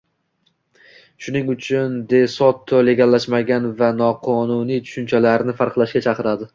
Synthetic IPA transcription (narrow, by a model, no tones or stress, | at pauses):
ʃʊnɪŋʊt͡ʃʰʊnd̪e̞sɒt̪ʰːoleɡʲalːaʃmaɡʲanvanɒqʰɒnunijt̪ʰʊ̥ʃʊnt͡ʃʰalaɾnɪfaɾqlˠaʃkʲat͡ʃʰaqɨɾad̪ɪ